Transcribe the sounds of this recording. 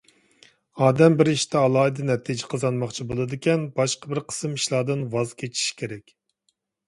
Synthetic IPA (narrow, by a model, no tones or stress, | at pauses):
ɑːd̪ɛmbɪɾiʃt̪ʰɛɑlˠɑːid̪ɨnɛt̪ʰid͡ʒɪqʰəzɑnmɑχt͡ʃʰibolˠɨd̪ɪkʲɛnbɑʃqəbɪɾqʰə̥sɨmiʃlˠɑːd̪ɨnwɑzkʲʰet͡ʃʰi̥ʃkʲʰeɾɛkʲ